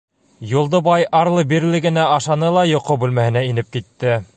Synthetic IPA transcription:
jŭlˠd̪ɤbɑjɑɾlˠɤbiɾlɘ̆ɡɘ̆næʔɑʃɑnɤlˠɑjŏqobʉlmæhɘ̆næinɘp̚kit̪ːɘ

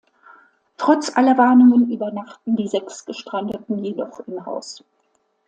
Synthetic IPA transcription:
tʁ̥ɔt͡sʔalɐvaɐnʊŋənʔyːbɐnaχtn̩diːzɛksɡ̥əʃtʁ̥andətn̩jedɔχɪmɦa̰ʊs

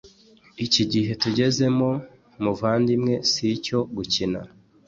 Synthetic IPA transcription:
iciɟiɦe̞tuɟe̞ze̞mo̞ | muvaːndimŋe̞sico̞ɡucina̰

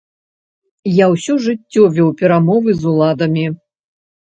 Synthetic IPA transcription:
jawsʲɔʐɨt͡sʲːɔvʲɔwpʲɛɾamɔvɨzulˠad̪ɐmʲi

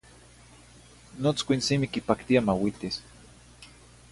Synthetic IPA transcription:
not͡skʷinsimikipakt̪iamawit̪is

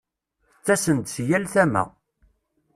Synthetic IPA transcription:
t͡sːæsənt̪sjælθæmæ̰

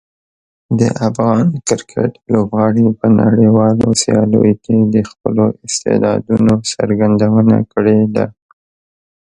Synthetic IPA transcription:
d̪ə̰ʔafɣɑnkɪɾkʰəʈlobɣɑɽipənaɽewɑlosijɑlo̰joked̪əxpəloʔɪst̪ḛd̪ɑ̰d̪unosaɾɡand̪awəna̰kəɽed̪a

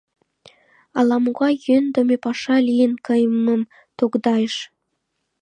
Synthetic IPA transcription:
ɑlɑmoɣɑjønd̪əmepɑʃɑlijənkəjməm | t̪okd̪ɑjəʃ

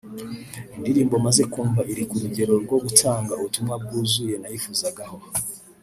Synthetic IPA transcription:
indiɾiːmbo̞maze̞kuːɱvaʔiɾikuɾuɟe̞ɾo̞ɾɡwo̞ɡutʰaːŋɡauutumŋwab̚ɡuːzuje̞najifuzaɡaho̞

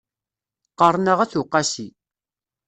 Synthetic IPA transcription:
qəɾˤnəʁæθuqːasi

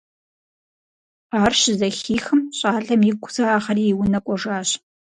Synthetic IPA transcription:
aːrɕɪzɐxiːxɨmɕʼaːɬɐmjɪɡʷʰʊzaːχɐɾiːwʊnɐkʷʼɔʐaːɕ

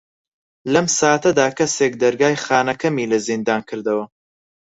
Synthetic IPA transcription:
lɐmsaːat̪ɐd̪aːkʰɐsek̚d̪ɐɾɡaːjχaːnɐkʰɐmiːlɐzind̪aːnkʰɨɾd̪ɐwɐ

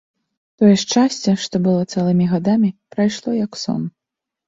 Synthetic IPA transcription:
t̪ɔjɛʂt͡ʂasʲt͡sʲɛʂt̪ɔbɨlˠɔt̪sɛlˠɨmʲiɣad̪amʲipɾajʂlˠɔjɐksɔ̰n

